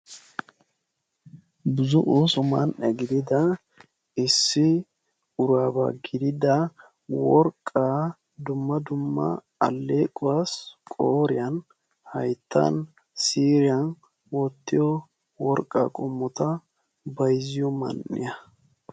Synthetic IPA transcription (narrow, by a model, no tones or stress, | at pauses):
bʊzʊʔusʊmɐnʔɛɡɪd̪ɪd̪ɐ | ɪsːɪ | ʊɾaːba̰ɡɪd̪ɪd̪ɐ | wɔɾkʼːaː | d̪ʊmːɐd̪ʊmːɐ̰ | ɐ̰lːeːkʼːʊwaskʼoːɾɪjɐn | hɐ̰jt̪ʰːɐ̰n | siːɾɪjɐn | wɔt̪ːɪjɔ | wɔɾkʼːa̰ːkʼɔmːɔt̪ɐ | bɐjzɪjɔmɐ̰nːɪ̰jɐ